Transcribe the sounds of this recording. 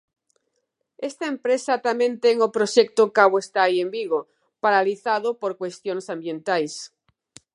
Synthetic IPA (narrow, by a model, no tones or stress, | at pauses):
est̪aempɾesat̪amjent̪eŋopɾoʃek̚t̪okaβoest̪aːiembiɣo | paɾaliθað̞opoɾkwest̪jonsambjẽnt̪ajs